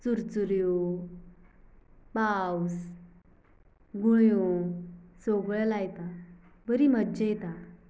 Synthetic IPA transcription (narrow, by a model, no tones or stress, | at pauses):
t͡suɾt͡suɾjo | paws | ɡuɭjo | soɡɭlajt̪a | bəɾimədd͡ʑejt̪ã